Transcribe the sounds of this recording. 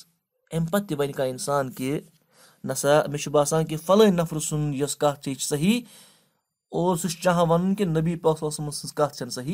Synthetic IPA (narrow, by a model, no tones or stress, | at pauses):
empɐt̪ːiʋɐnʲikaːinsaːnke | nɐsameʃubaːsaːnkefɐlɐnɐfɾɨsunjɐskaːt͡ʃʰeːt͡ʃʰsɐɦi | oːɾsuʃt͡ʃãɦãʋɐnunkenɐbiːpɐsɐːsɐmɐsɨskaːt̪̚t͡ʃʰɐnsɐɦi